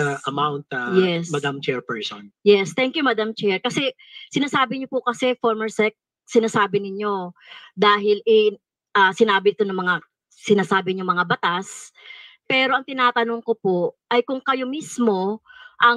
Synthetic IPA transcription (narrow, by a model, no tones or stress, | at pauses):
ɐʔɐmawnt̪̚ɐjɛsmɐd̪amt͡ʃɛɹpɛɹsonjɛst̪ɛŋkjumɐd̪amt͡ʃɛɹkɐsɛ | sɪnaːsaːbɪɲopʊkɐsɛfoɹmɛɹsɛk̪̚ | sɪnaːsaːbɪnɪɲo̞d̪aːɦɪlɛ | ʔɐsɪnaːbɪɪt̪o̞nɐŋmɐŋa | sɪnaːsaːbɪɲoŋmɐŋabɐt̪as | pɛːɾo̞ʔɐŋt̪ɪnaːt̪ɐno̞ŋko̞poʔɐjkʊŋkɐjo̞mismo̞ʔɐ